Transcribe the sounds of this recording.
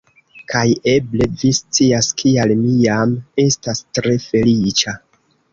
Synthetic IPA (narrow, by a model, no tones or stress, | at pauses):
kʰaje̞ble̞vist͡siaskʰialmijame̞stastɾe̞fe̞lit͡ʃa